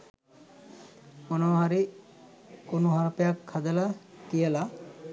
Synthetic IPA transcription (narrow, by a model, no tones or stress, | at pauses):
onoɦaɾi | kunuɦaɾpeakʰːad͡ʒalakiela